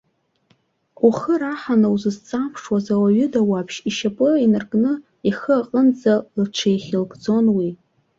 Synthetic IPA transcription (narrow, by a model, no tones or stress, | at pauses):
uχəɾaħanawzɨzt͡sʼapʰʂwazawaɥʏdawapʰʃiʃapʼɨinɨrkʼnɨ | iχəaqʼənd͡zalɨʈ͡ʂʷʰejχʲɪlɡʼd͡zo̞nwi